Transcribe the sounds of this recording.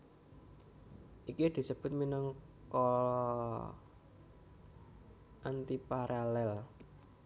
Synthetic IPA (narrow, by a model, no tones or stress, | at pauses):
ʔikid̪̥i̤səb̥ʊ̤t̪̚minəŋ | kolɔ | ʔant̪ipaɾʔalɛl